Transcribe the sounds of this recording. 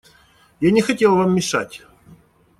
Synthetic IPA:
janʲɪxɐtʲelˠvamːʲɪʂa̰tʲ

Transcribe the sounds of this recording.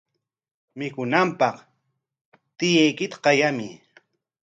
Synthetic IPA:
mɪkʊnampɑq | t̪ɪjajkɪt̪ḁqɑjamɪ

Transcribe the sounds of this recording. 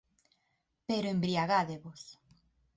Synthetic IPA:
peɾoembɾiaɣaðeβos

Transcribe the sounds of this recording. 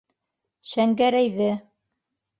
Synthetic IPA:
ʃæŋɡæɾæjðɘ

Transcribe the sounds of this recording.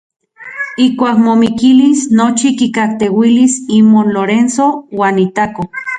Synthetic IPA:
ihkʷaːkmomikilisnot͡ʃikikakt̪ewilisimonloɾensowaːnit̪ako

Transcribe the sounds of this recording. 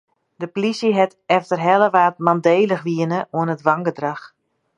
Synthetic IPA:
dəpolisəɦɛtɛftərɦɛləʋaːt̚mandeːləxʋiənəʔuənətʋaŋɡədrax

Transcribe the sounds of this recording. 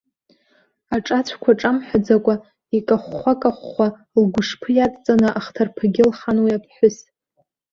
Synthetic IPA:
aʈ͡ʂʼat͡ɕʷʰkʷʰaʈ͡ʂʼamħʷᶣad͡zakʷʼa | ikʼaχʷːakʼaχʷːa | lɡʷʊʂpʰɨjatʼt͡sʼanɨʔaχtʰarpʰaɡʲɪlχanwiapʰħʷᶣʊs

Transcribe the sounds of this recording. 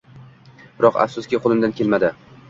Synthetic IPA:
b̥ɪɾɒqa̰fsʊskʲɪqʰolˠɪmd̪ankʲe̞lmad̪ɪ

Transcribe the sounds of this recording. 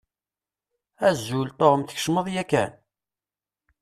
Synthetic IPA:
æzːult̪ˤoʁəmθə̥ç̥ʃməðˤjækæ̰n

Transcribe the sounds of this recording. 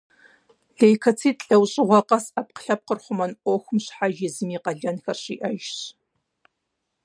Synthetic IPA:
ɮejkʰɐt͡sʰiːtʼɬʼɐwɕʼɪʁʷɔqɐsɐp̚qə̥ɬɐp̚qərχʷʊmɐnʔʷɔxʷʊmɕħaʒɪzɨmiːqɐɮɐnxɐrɕiːʔɐʒɕ

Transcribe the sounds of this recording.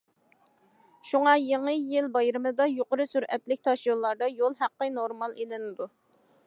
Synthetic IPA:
ʃuŋɑjeŋɨjɪlbɑjɾɨmɨd̪ɑjoqʊɾɨsyɾɛt̪lɪk̚ʲt̪ʰɑʃjolˠːɑɾd̪ɑjolˠɦæqːənoɾmɑlˠelɪnɪd̪u

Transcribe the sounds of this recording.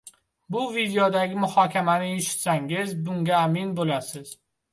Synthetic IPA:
bʊvid̪ejɒd̪aɡʲɪmʊhɒːkʲʰamanɪeʃɪ̥t̪saŋɡʲɪzbʊŋɡʲaːminbolasɪz̥

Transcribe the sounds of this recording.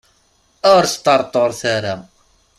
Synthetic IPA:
ʊɾst̪ːɑɾˤt̪ˤːoɾˤθaɾa

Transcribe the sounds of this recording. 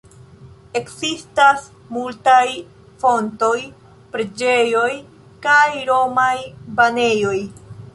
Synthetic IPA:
e̞kzistas | multaj | fo̞nto̞j | pɾe̞d͡ʒe̞jo̞j | kajɾo̞majbane̞jo̞j

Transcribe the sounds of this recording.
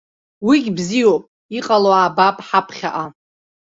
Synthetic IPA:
wiɡʲbzijowpʼ | iqʼaloaːbapʼħapʰχʲa̰ʔa

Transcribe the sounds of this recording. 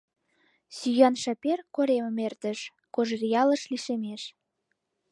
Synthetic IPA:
syjɑnʃɑperkoɾemə̆mert̪ə̆ʃ | koʒərʲijɑlə̆ʃliʃemeʃ

